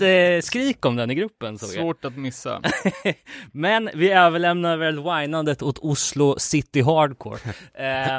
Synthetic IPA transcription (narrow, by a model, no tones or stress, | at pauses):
skɾiːkɔmd̪ɛnɪɡɾɵpːənso̰ːvoːʈat̪mɪsːa̰ | mɛnvɪøːvəɭɛmnad̪vɛlvajnand̪ət̪ʊt̪ʰʊslʊsɪt̪ːɪɦɑːɖkʰo̰ːɾ